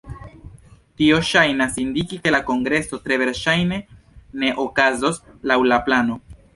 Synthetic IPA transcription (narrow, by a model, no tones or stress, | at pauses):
tio̞ʃajnasindikike̞lako̞ŋɡɾe̞so̞tɾe̞ve̞ɾʃajne̞ | ne̞ʔokazo̞slawlaplano̞